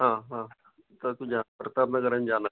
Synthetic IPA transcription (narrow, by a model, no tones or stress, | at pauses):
ɦãːɦãː | t̪at̪ũd͡ʒaːpɾət̪aːpnakəɾənd͡ʒaːna